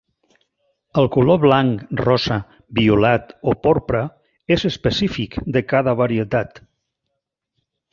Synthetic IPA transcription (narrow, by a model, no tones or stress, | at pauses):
əlˠkuloβlaŋkrɔzə | biulat̪opoɾpɾə | ezəspəsifikd̪əkaðəβaɾiət̪at̪